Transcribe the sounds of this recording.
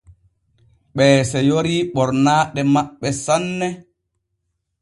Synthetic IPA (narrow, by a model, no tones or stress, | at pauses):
ɓɛːsɛjoɾiɓɔɾnaːɗɛmaɓːɛsanːɛ